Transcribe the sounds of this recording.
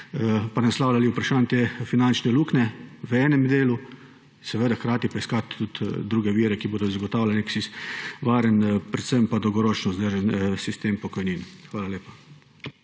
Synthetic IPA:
panɛslaːwlʲaliupɾaʃaːnt̪efinant͡ʃnɛluːknɛʋɛːnɛmd̪eːlu | sɛʋeːd̪axkɾaːt̪ipaiskat̪ːut̪d̪ɾuːɡɛʋiːɾɛkiboːd̪ɔzaɡɔt̪aːwlʲalneksiʋaːɾənpɾɛt̪səmpad̪ɔwɡɔɾoːt͡ʃnɔzd̪əɾʒɛnsist̪eːmpɔkɔjninxʋaːlaleːpḁ

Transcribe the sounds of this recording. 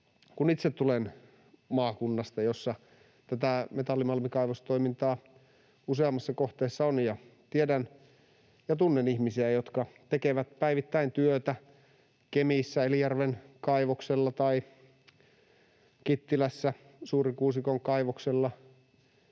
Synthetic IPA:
kunit̪set̪ːulen | mɑːkunːɑst̪ɑjosːɑ | t̪æt̪æmet̪ɑlːimɑlmikɑiʋost̪oimint̪ɑː | useɑmːɑsːɑkoht̪eːsːɑonjɑt̪iedæn | jɑt̪unːenihmisiæjot̪kɑt̪ekeʋæt̪pæiʋit̪ːæint̪yøt̪æ | kemiˑsːæelijærʋenkɑiʋokselːɑt̪ɑi | kit̪ːilæsːæ | suːɾikuːsikoŋkɑiʋokselːɑ

